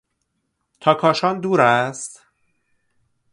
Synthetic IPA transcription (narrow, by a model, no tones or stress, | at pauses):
t̪ʰɒːkʰɒːʃɒːnd̪uːɾæst̪